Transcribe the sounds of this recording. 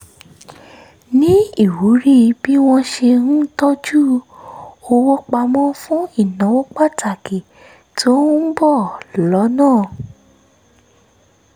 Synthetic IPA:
nĩ˦i˦˨wu˨˦ɾi˦˧bi˦w̃ɔ̃˧ʃe˧ɾ̩̃˦tɔ˦d͡ʒu˦ | o˧wɔ˦k͡pa˧mɔ̃˦fũ˦i˦˨nã˨˦wɔ˦k͡pa˦˨tʰa˨ke˨ | tʰo˦bɔ˦˨lɔ˨˦nãː˦˨

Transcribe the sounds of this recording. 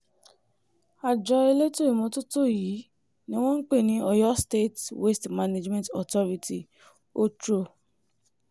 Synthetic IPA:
a˨d͡ʒɔ˧e˧le˦to˦˨i˨mɔ̃˧to˦to˦˨ji˨˦ | nĩ˦w̃ɔ̃˦n̩˦k͡pe˦˨nĩ˧˦ɔ˧jɔ˦ste˦˨twe˦stma˧ne˦d͡ʒmɛ̃˦ntɔ˨tɔ˦ɾi˧ti˧˨ | o˦tɾo˧

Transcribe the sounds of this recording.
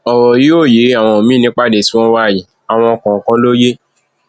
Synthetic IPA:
ɔ˨wɔ˨ji˨˦o˦˨je˨˦a˦˨w̃ɔ̃˧o˨mĩ˦nĩ˦k͡pa˦˨de˨si˦w̃ɔ̃˦wa˦˨ji˨˦ | a˨w̃ɔ̃˧ɔ˧kɔ̃˨kã˦lo˦je˦

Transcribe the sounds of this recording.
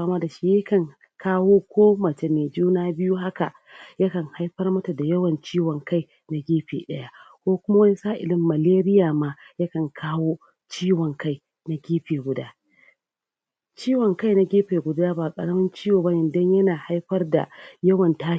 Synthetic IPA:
a˦ma˦da˨ʃi˦jɐ˦kɐ˨ŋ | kaː˦woː˦kʷoː˦mɐ˨t͡ʃe˦meː˨d͡ʒuː˦naː˦bɪ˦ju˦ɦa˦ka̰˨ | jɐ˦kɐ˨ŋha˦jɸɐ˦rmɐ˦ta˨da˨jɐ˦wɐ˨nt͡ʃiː˦wɔ˨ŋka˦˨j | na˨ɡʲeː˦ɸḛː˨ɗɐ˦ja˦kʷoː˦kʷʊ˦ma˦wɐ˦ni˦saː˦ʔɪ̰˨lɪ˦mːɐ˨leː˦ɾɪ˦jaː˨maː˦jɐ˦kɐ˨ŋkʰaː˦woː˦ | t͡ʃiː˦wɔ˨ŋka˦j | na˨ɡʲeː˦ɸeː˨ɡʷʊ˨da̰ː˦ | t͡ʃiː˦wɔ˨ŋka˦jna˨ɡʲeː˦ɸeː˨ɡʷʊ˨daː˦ba˨kʼɐ̰˨ɽɐ˦mɐ˦nt͡ʃiː˦woː˨ba˦jɪ˨ndɐ˦ɲjɐ˦naː˨ha˦jɸɐ˦rda̰˨jɐ˦wɐ˨ntaː˦

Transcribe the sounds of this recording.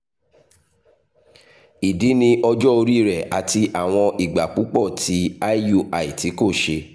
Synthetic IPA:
i˨di˨˦nĩ˧ʔɔ˧d͡ʒɔ˦o˧ɾi˦˨ɾɛ˨ʔa˨ti˧ʔa˨w̃ɔ̃˧ʔi˨ɡ͡ba˨k͡pu˨˦k͡pɔ˦˨ti˨˦a˦ju˦a˨i˨ti˨˦ko˦˨ʃe˧

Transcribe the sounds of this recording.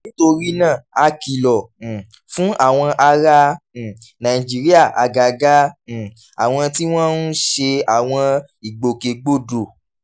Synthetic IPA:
nĩ˦to˧ɾi˦nãː˦˨a˧ki˨lɔ̃˨ | fũ˨˦ʔa˦˨w̃ɔ̃˧ʔa˧ɾã˧˨ | nã˨i˨d͡ʒi˨˦ɾi˦a˦˨ʔa̰˨ɡa˨ɡã˦˨ | a̰˨w̃ɔ̃˧ti˦w̃ɔ̃˦n̩˦ʃe˧a˨w̃ɔ̃˧ | i˨ɡ͡bo˨ke˨ɡ͡bo˦˨do˨

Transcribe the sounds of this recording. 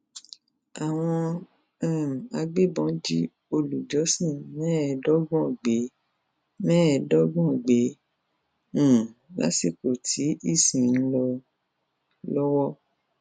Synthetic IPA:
a˨w̃ɔ̃˧˦˨ | a˧ɡ͡be˦˨bɔ̃˨˦d͡ʒi˦ | o˧lu˨d͡ʒɔ˨˦sĩ˦˨mɛ̃˦˨˧dɔ˦ɡɔ̃˦˨ɡ͡be˨˦ | mɛ̃˦ɛ˧dɔ˦ɡũ˦˨ɡ͡be˨˦ | ũ˦˨la̰˨˦si˦˨ko˨tʰi˨˦i˦˨sĩ˨n̩˦lɔ˧ | lɔ˦wɔ˦

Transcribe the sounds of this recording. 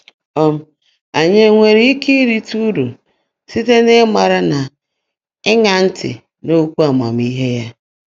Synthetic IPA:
ɔ˦m̩˦ | a˨ɲe˦ŋʷe˨ɾi˦i˦ki˦ɾi˦tu˦du˨ | si˦te˦ne˦ma˨ɾa˦na˨ | ɪ˦ŋa˨n̩˦tɪ̰˨ | no˦kʷu˦a˨ma̰˨mi˦ɦe˦ja˦

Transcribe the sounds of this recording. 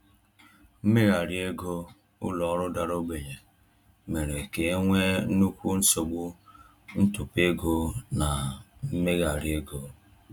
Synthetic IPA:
m̩˦me˦ɣa˨ɾi˦e˦ɡo˦ | ʊ̰˦lɔ˨˦ɾʊ˦da˨ɾo˦ɡ͡be˨ɲe˨ | me˨ɾe˨ke˨˦ŋʷe˦nu˦kʷu˦n̩˦so˨ɡ͡bʊ˦ | n̩˦tu˨pe˦ɡo˦na˨m̩˦me˦ɣa˨ɾje˦ɡo˦

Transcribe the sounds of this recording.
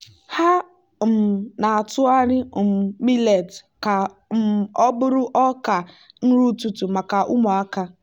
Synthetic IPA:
ha˦ | m˨na˨a˨tʊ˦a˦ɾɪ˦˨m̩˨mi˦le˨tka˨ | m̩˨ɔ˦bʊ˦ɾʊ˦ʔɔ˦ka˨ | n̩˦ɾu˦tu˦˨tu˨ma˨ka˨ʔʊ˦mɔ˨a˦ka˦

